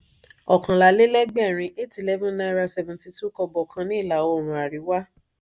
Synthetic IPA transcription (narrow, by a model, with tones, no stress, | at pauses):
ɔ˨kã˨la˨le˦lɛ˦ɡ͡bɛ˦˨ɾ̃ĩ˧ʔe˦˨tlɛ˦vũ˦na˧˦ɾa˧sɛ˧˨vũ˨ti˧tu˦kɔ˧bɔ˨kʰã˧nĩ˦˨la˨o˧o˨ɾ̃ũ˨a˨ɾi˨˦wa˦